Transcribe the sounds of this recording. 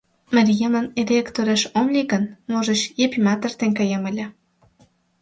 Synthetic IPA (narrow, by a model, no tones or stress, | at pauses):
mərʲjeməneɾʲekt̪oɾeʃomlʲiɣə̆nmoʒəɕjepʲimɑt̪ə̆rt̪enʲkɑjemə̆lʲə̆